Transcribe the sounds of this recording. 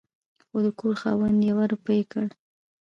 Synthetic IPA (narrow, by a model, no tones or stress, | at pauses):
xod̪əkoɾxɑ̰wand̪jawaɾʊpəjkəɽ